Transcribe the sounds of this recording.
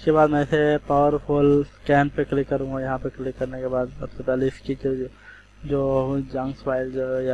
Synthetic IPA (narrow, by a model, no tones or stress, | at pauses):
ɪskebaːd̪mɛ̃ːɪsepaʋəɾpʰoːlskɛːnpeklɪkːɐɾũɡajɐɦãpeklɪkːɐɾnekebaːd̪sɐbsepɛːleskid͡ʒ | d͡ʒoːd͡ʒɐ̃ŋɡspaːɪlja